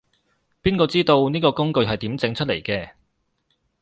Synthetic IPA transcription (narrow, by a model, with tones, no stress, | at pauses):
piː˥nkɔː˧t͡siː˥t̪o˧wniː˥kɔː˧kʊ˥ŋkɵ˧ɥɦɐ˨jt̪iː˨˥mt͡sɪ˨˥ŋt͡ʃʰɵ˥t̚lḛ˨˩jkɛː˧